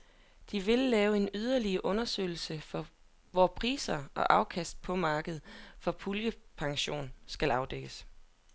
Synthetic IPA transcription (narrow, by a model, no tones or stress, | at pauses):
d̥iʋe̝lːɛːʊe̝nyð̞ˠɐliɐʔɔ̽nɐsø̰ɪl̩səfɒ̽ | ʋɒpʰʁḭːsɐʔɒ̽ʔɑ̈ʊkʰæsd̥̚pʰɒ̽mɑ̈ːɡ̥əð̞̩ˠfɒ̽pʰuljəpʰɑ̈ŋɕo̝̰ːnsɡ̥ælɑ̈ʊd̥eɡ̥əs